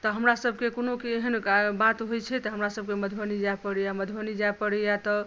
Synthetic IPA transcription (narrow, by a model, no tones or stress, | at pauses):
t̪ɔɦəmɾasəbʱkekonokieɦənabat̪ɦojt͡ʃʰɛt̪ɔɦəmɾasəb̚keməd̪ʱbənid͡ʒapəɽijaməd̪ʱbənid͡ʒajpəɽɛjat̪ɔ